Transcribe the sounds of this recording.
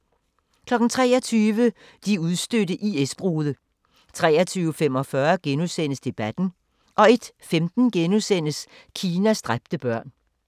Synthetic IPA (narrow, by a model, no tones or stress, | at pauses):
kʰlɒ̽ɡ̥n̩t͡sʰʁɛ̰ːɒ̽t͡sʰyːʋə | d̥iuð̞ˠsd̥øɾəʔiesb̥ʁoːðˠə | t͡sʰʁɛ̰ːɐt͡sʰyːʊfem̰ɒ̽fɶɐɡ̥enusen̰əsd̥e̝b̥æd̥n̩ | ʔɒ̽e̝d̥femd̥n̩ɡ̥enusen̰əs | kʰiːnæsd̥ʁab̥̚d̥əb̥ɶɐ̰n